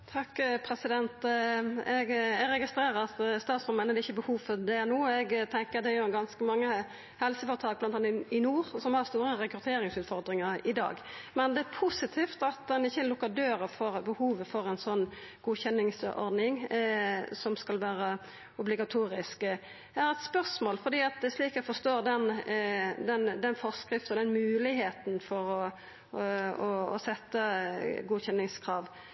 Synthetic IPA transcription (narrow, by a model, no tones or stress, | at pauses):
t̪ʰɑkpʰɾɛsɪd̪ɛnt̪ | ɛɡɛɡɾɛɡɪst̪ɾeːɾəɾɑt̪st̪ɑːt̪sɔmənɛd̪ɪçːəbəhuːʋfɔɾd̪ɛnuːɛɡt̪ʰɛŋkəɾd̪ɛæjʊɡɑnskəmɑŋːə | hɛlsəfɔɾət̪ʰɑːk̚blɑnɑnɪnuːɾsɔmhɑʁst̪uːɾəɾɛkɾʉt̪ʰeːɾɪŋsʉːt̪fɔʁd̪ɾɪŋəɾɪd̪ɑ̰ːɡmɛnd̪ɛæpʰʊsɪt̪ʰiːft̪ɑt̪̚d̪ɛnɪçːəlʊkːəd̪øːɾəfɔʁbəhuːʋəfɔɾɛnsɔnːɡ̥uːçɛnːɪŋsɔ̰ɾd̪nɪŋ | sɔmskɑlʋæːɾə | ʊblɪɡɑt̪ʰuːɾɪsk | æɾɛt̪spœʁsmoːlfɔɾd̪iːɑt̪̚d̪ɛsliːkæfɔst̪oːʁd̪ɛn | d̪ɛnd̪ɛnfɔʁskɾɪft̪ɔd̪ɛnmʉːlɪheːt̪n̩fɔɾɔ | ɔɔ̰sɛt̪ːəɡuːçɛnːɪŋskʰʁɑːʋ